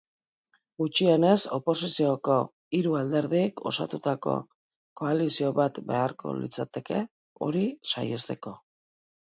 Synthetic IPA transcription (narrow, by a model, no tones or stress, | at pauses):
ɡut͡ʃiene̞so̞po̞sisio̞ko̞ | iɾuald̪e̞ɾðikʰo̞̰sat̪ut̪ako̞̰ | ko̞alisio̞βat̪be̞aɾkʰo̞̰lḭt͡sat̪e̞ke̞ | o̞̰ɾisa̰jest̪e̞ko̞